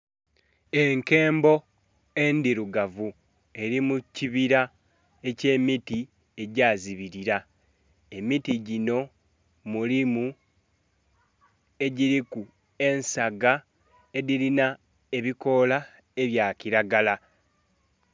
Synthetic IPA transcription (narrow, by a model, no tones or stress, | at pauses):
e̞ŋke̞ːmbo̞ | e̞ndiɾuɡavu | e̞ɾimuciβiɾa | e̞ce̞ːmiti | e̞ɟaːziβiɾiɾa | e̞mitiɟino̞ | mulimu | e̞ɟiɾiku | e̞nsaɡa | e̞diɾina | e̞βiko̞la | e̞βjaːciɾaɡala